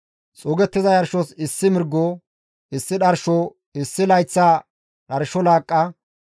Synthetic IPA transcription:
t͡sʼoːɡɛt̪ːɪzɐjɐɾʃɔsɪsːɪmɪɾɡːo | ɪsːɪɗɐɾʃɔ | ɪsːɪlɐjt͡sːaː | ɗɐɾʃɔlaːkʼːɐ

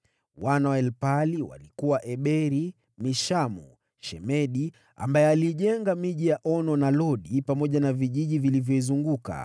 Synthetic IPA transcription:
wanawaɛlpaliwa̰likuwaʔɛɓɛɾi | miʃamu | ʃɛmɛɗi | a̰mbaɛaliʄɛŋɡamiʄijaʔɔnɔnalɔɗipamɔʄanaviʄiʄivilivjɔizuŋɡuka̰

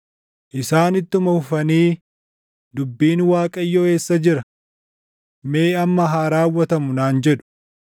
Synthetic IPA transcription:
ʔɪsaːnɪt̪ːʊmɐhʊfɐniː | d̪ʊbːiːnwaːkʼɐɪjːoːe̞ːsːɐd͡ʒɪɾɐ | me̞ːɐmːɐɦaːɾaːwːɐt̪ɐmʊnaːnd͡ʒɛᶑʊ̥

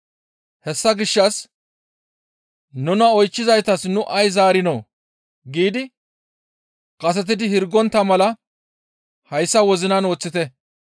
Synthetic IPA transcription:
hɛsːɐɡɪʃːɐs | nʊnɐɔjt͡ʃːɪzɐjt̪ɐsnʊʔɐjzaːɾɪnoː | ɡiːd̪ɪ | kʼɐs̬ɛt̪̬ɪd̪ɪhɪɾɡɔnt̪ːɐmɐlɐ | hɐjsːɐwɔzɪnɐno̞ːt͡sːɪt̪ɛ

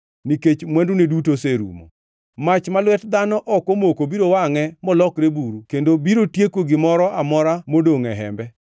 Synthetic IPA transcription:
niket͡ʃmwɛndunedutoseɾṵmo̰ | mat͡ʃmalwɛtd̪anɔʔɔkomokobiɾowaŋɛmɔlɔkɾebuɾukendobiɾotjekoɡɪmɔɾɔʔamɔɾamodoŋɛɦɛ̰mbɛ

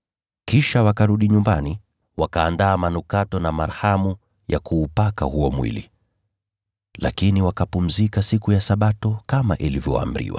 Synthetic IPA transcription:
kiʃawakaɾuɗiɲumbani | wakaːndaːmanukatɔnamaɾhamu | jakuːpaka̰huɔmwḭlḭ | la̰kiniwakapum̩zikasikujasaɓatɔkama̰ʔilivjɔ̰a̰m̩ɾḭwa̰

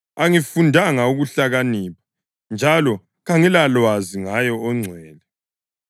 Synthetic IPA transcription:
aŋifundʱaŋauɣuɬaɣanipʰḁ | nd͡ʒʱalɔ | ɣaŋilalwaziŋajɔːŋ͡ǀʱwɛːlɛ

